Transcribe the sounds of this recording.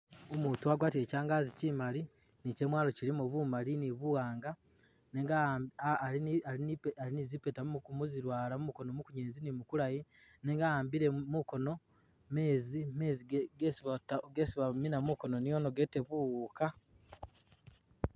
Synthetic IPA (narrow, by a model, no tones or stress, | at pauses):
omuːtuaɡwaːtie̞caːŋɡaːzicimali | nice̞mwaːlo̞ciɾimuβumaliniβuɣaːŋɡa | neːŋɡaː | iaiainizipe̞ːtamuumuziɾwaːlamumuko̞nomukuɲeːnzinimukuɾaji | neːŋɡaaːmbiɾe̞muko̞no̞ | meːzimeːziɡesiβatɡesiβaminamuko̞no̞nijo̞noɡete̞βuwuːka